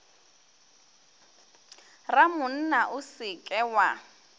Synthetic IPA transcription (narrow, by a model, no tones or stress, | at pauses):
ramʊn̩naʔʊsɪkʼɛwa